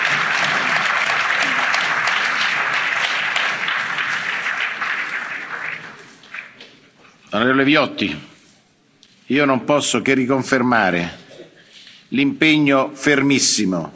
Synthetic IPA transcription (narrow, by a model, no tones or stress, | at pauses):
anɾeːvolevjɔt̪ːḭ | iːonompɔsːokerːikoɱfermaːɾe | limpeɲːofermisːimo